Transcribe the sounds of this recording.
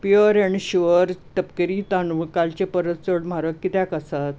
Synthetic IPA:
piəɾɛɳiɕiʋəɾt̪əpkəɾiːt̪anuʋkalt͡ɕepəɾət̪t͡səɽm̤aɾəkːit̪akəsat̪

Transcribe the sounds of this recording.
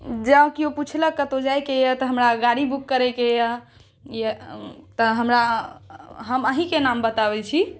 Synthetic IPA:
d͡ʒəkioput͡ʃʰləkːət̪od͡ʒajkejət̪əɦəmɾaɡaɽibukːəɾɛkejə | jət̪əɦəmɾa | ɦəməɦĩkenambət̪abɛt͡ʃʰi

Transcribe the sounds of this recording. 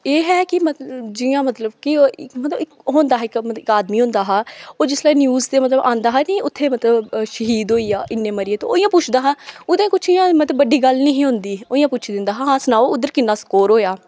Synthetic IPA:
eːɦɛːkɪmət̪d͡ʒɪjãːmət̪ləbkɪɪkmət̪ləbɪkɦoːnd̪aːɦɛːkmət̪əɪkaːd̪miːɦõːnd̪aːɦaːoːd͡ʒɪslaːnjuːzt̪eːmət̪ləbʔãːnd̪aːɦɛːnẽːʊt̪ʰːeːmət̪ləbʃəɦiːd̪oːiːjaːʔɪnːẽːməɾɪeːt̪õoːɪ̃jãːpʊt͡ʃʰd̪aːɦãːʊd̪ẽːkʊt͡ʃʰijãːmət̪ləbːəɖːiːɡəlnəɦĩːɦõnd̪iːoːijãːpʊt͡ʃʰd̪ɪnd̪aːɦãːãːsʊnaːoʊd̪ːəɾkɪnːãːskoːɾɦoːjaː

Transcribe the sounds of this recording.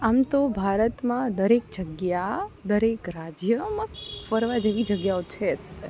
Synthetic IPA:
amt̪obʱaɾət̪mãd̪əɾek̚d͡ʒəɡjad̪əɾekɾad͡ʒjəmãfəɾʋad͡ʒeʋid͡ʒəɡjaot͡ʃʰet͡ʃʰt̪e

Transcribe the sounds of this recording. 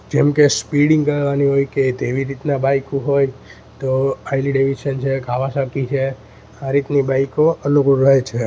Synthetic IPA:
d͡ʒemkespiɽĩŋɡkəʋaniɦojket̪eʋiɾit̪nabajkuɦoj | t̪oajliɖeʋiʃənt͡ʃʰekʰaʋasəkit͡ʃʰe | aɾit̪nibaikoəlokuɾəɦet͡ʃʰe

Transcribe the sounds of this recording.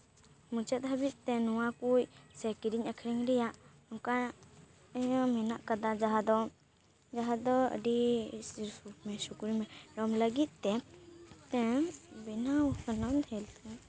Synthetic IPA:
mut͡ʃət̪̚ˀɦəbit̪̚ˀt̪ɛnɔwakujsɛkiɾiɲakʰɾiŋɾɛjaʔ | ɔka | əjɔmɛna̰ʔkad̪ad͡ʒaɦad̪ɔ | d͡ʒaɦad̪ɔə̰ɖi | umɛsukuɾimɛɾɔmləɡit̪̚ˀt̪ɛ | t̪ɛbinawsənɔnd̪hɛlt̪ɛ̃

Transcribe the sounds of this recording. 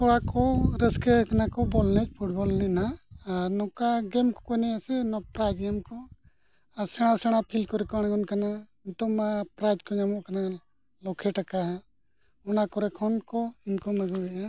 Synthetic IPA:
kɔɽakɔɾɛskɛknakɔbɔlnɛt͡ʃpʰuʈ̚bɔlnɛnaaɾnɔkaɡɛmkɔ̥kɔjnɛasɛnɔpɾad͡ʒɡɛmkɔ | aɾsɛɽ̃asɛɽ̃apʰilkɔɾɛkɔaɽ̃ɡɔnkanaint̪ɔmapɾajd͡ʒkɔɲamɔʔkana | lɔkʰɛʈakaɦa | ɔnakɔɾɛkʰɔnkɔinkɔmɛɡuɡɛʔa

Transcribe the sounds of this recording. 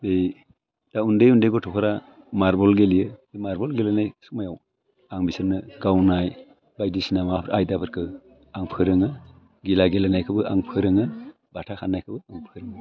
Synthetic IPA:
bej | d̥aundejundejɡɔtʰɔkʰɔɾa | maɾbɔlɡelijɯbemaɾbɔlɡelanajsumajaw | aŋbisɯɾnɯɡawnaj | bajdisinamaɾajdabɯɾkʰɯ | aŋpʰɯɾɯŋɯ | ɡilaɡelanajkʰɯbɯʔaŋpʰɯɾɯŋɯ | batʰakʰanːajkʰɯbɯaŋpʰɯɾɯŋ

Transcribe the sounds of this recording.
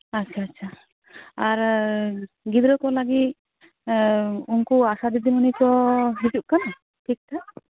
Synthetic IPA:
atːt͡ʃʰaːtːʃʰa | aɾ | ɡid̪ɾɔkɔlaɡit̪̚ | unkuasad̪id̪imunikɔɦid͡ʒuʔ̚kanɔ | ʈʰik̚t̪a

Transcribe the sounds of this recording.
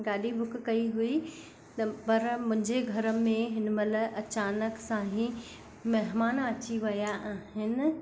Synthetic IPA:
ɡaːɗibʱʊkkɐiɦui | t̪ɐpɐɾmʊ̃ɦɪ̃ɲd͡ʑeɡʱɐɾəmẽɦɪnmɐləʔɐt͡ɕaːnəksãːɦĩ | mɐɦmaːnɐt͡ɕiʋɐjaʔaːɦɪnɪ̆

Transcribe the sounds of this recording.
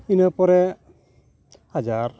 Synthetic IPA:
inəpɔɾɛ | had͡ʒaɾ

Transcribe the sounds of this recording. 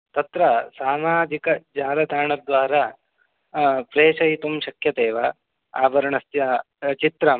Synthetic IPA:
t̪ɐt̪ɾɐsaːmaːd͡ʒikɐd͡ʒaːɾɐd̪ʱaːɳɐd̪ʋaːɾɐ | pɾeːʂɐjit̪umʃɐkʰjɐt̪eːʋɐ | a̰ːbɐɾɐɳɐst̪jɐ | t͡ʃit̪ɾɐm

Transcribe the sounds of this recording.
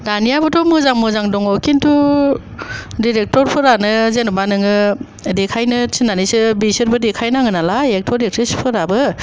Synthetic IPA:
danijabɯtʰɔmɯzaŋmɯzaŋdɔŋɔkintʰu | diɾek̚tɔɾpʰɯɾanɯzenɔbanɯŋɯ | dekʰajnɯt͡ʃʰinːanisɯbisɯɾbɯdekʰajnaŋɯnalaek̚tʰɔdek̚tʰɾespʰɯɾabɯ

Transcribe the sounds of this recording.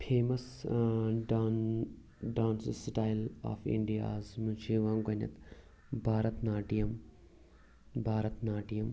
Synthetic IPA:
pʰeːmɐs | ɖaːn | ɖaːnssʈaːjɪla̰ːfḭ̃ɳɖija̰ːzmũːt͡ʃʰiʋɐ̃ːɡɐnʲɐ̰t̪ | bʱaːɾɐt̪naːʈijɐm | bʱaːɾɐt̪naːʈijɐm

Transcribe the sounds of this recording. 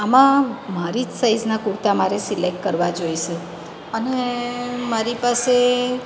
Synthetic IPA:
amãmaɾid͡ʒsajznakuɾt̪amaɾesilek̚ʈkəɾʋad͡ʒojʃe | ənemaɾipase

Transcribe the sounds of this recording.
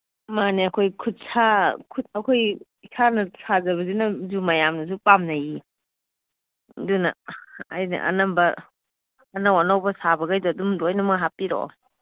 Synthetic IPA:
maneɐkʰojkʰut̚sakʰutɐkʰoj | isʰanɐsazɐβɐzinɐzumɐjamnɐs̬upamnɐji | dunɐ̰ɐjnɐ̰ʔɐ̰nɐmbɐ | ɐnawɐnɐwbɐsabɐɡajduːdumdoajnɐmaɦapːiɾo̰

